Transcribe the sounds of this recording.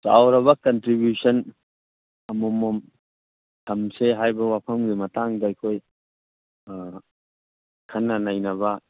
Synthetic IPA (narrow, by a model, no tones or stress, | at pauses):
sa̰wɾɐβɐkɐntɾibjusɐn | ɐmɔmɔm | tʰɐmseɦajbɐwapʰɐmɡimɐtaŋdɐɐjkʰoj | kʰɐnːɐnajnɐβɐ